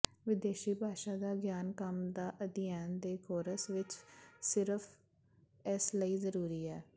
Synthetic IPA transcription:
ʋɪd̪eːʃiːbʱaːʃaːd̪aːɡjaːnkəmd̪aːʔəd̪ɪjaːnd̪eːkʰoːɾəsʋɪt͡ʃsɪɾəfʰ | ɪsləiːzəɾuːɾiːɛː

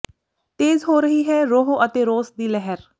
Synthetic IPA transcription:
t̪eːzɦoːɾəɦiːɦɛːɾoːɦoʔət̪eːɾoːsd̪iːlɛɦɛɾ

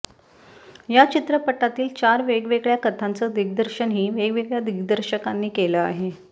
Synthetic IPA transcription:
jat͡ɕit̪ɾəpəʈːat̪iːlt͡ɕaɾʋeɡʋeɡɭjakət̪ʰant͡səːd̪iɡ̚d̪əɾɕənɦiːʋeɡʋeɡɭjad̪iɡd̪əɾɕəkanːiːkeləa̰ɦe

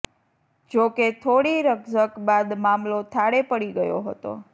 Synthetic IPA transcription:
d͡ʒoket̪ʰoɽiɾəɡzəkbad̪mamlot̪ʰaɽepəɽiɡəjoɦət̪o̰

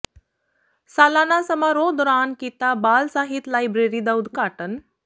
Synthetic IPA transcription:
salanasəmaɾod̪ɔɾankit̪abalsaɦit̪lajbɾeɾid̪awd̪kaʈən

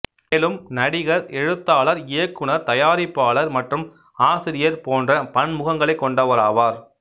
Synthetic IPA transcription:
lɯmnɐɽɪɣɐɾɛɻɯt̪ːaːɭɐɾɪjɐkːɯɳɐɾt̪ɐjaːɾɪpːaːlɐɾmɐʈrɯm | aːsɪɾɪjɐɾpoːndrɐpɐɳmʊɣɐŋɡɐɭɐɪkːɔɳɖɐʋɐɾaːʋaːɾ

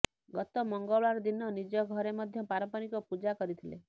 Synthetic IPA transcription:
ɡɔt̪ɔmɔŋɡɔɭaɾɔd̪inɔnid͡ʒɔɡʱɔɾemɔd̪ʱjɔpaɾɔpɔnikɔpud͡ʒakɔɾit̪ʰilḛ

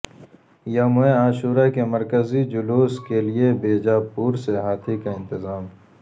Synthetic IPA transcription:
jamʊẽaːʃuːɾakemɐɾkəzid͡ʒʊluːskeliebeːd͡ʒapuːɾseɦaːt̪ʰikaɪ̃nt̪ɪzaːm

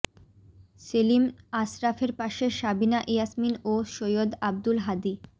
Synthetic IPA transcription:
selimasɾafeɾpaʃeʃabinaʔejasminoʃojod̪ab̚d̪ulɦad̪i

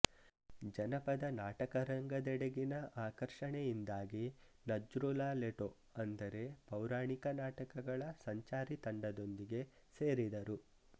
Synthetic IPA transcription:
d͡ʒɐnɐpɐd̪ɐnaːʈɐkɐɾɐŋɡɐd̪ɛɽeɡinɐʔaːkɐɾʂɐɳejind̪aːɡi | nɐd͡ʒɾulaːleʈo | ɐnd̪ɐɾe̞pɐwɾaːɳikɐnaːʈɐkɐɡɐɭɐsɐɲt͡ʃaːɾit̪ɐɳɖɐd̪o̞nd̪iɡe̞ | seːɾid̪ɐɾu

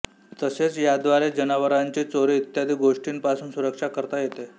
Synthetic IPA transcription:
t̪əset͡sjad̪ʋaɾed͡ʑənaʋəɾaɲt͡ɕit͡soɾiːt̪jad̪ʱiːɡoʂʈiːnpasuːnsuɾəkʂakəɾt̪ajet̪e

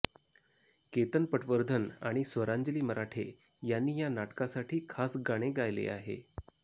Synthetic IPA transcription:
ket̪ənpəʈʰʋəɾd̪ʱənaɽ̃isʋəɾaɲd͡ʑəliːməɾaʈʰe | janːiːjanaʈkasaʈʰiːkʰasɡaɽ̃eɡajlḛaɦḛ

